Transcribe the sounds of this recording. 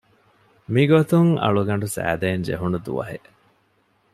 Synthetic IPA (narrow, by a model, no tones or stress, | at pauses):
miɡot̪uŋɐ̰ɭuɡɐɳ̆ɖusæ̰ːd̪eːnd͡ʒḛɦunud̪ṵʋɐ̰ɦe